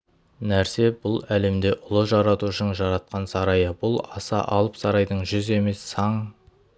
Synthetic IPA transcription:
næɾse̞bʊlˠæle̞md̪e̞ʔʊlˠəʒɑɾɑt̪uʃəɴʒɑɾɑt̪̚qɑnsɑɾɑjəbʊlˠɑsɑ̰ʔɑlˠəpsɑɾɑjd̪əɴʒʏze̞me̞sːɑɴ

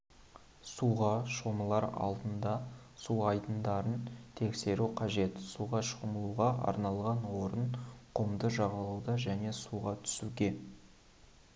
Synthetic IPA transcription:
suʁɑʃo̞məlˠɑɾɑ̰lˠd̪ənd̪ɑ | suɑjd̪ənd̪ɑɾənt̪ʰe̞kse̞ɾuqʰɑʒe̞t̪suʁɑʃəʁməlˠuʁɑʔɑ̰ɾnɑlˠʁɑnwo̞ɾənqʰəmd̪əʒɑʁɑlˠuwd̪ɑʒæne̞suʁɑt̪ʰʏ̥suɡʲe̞

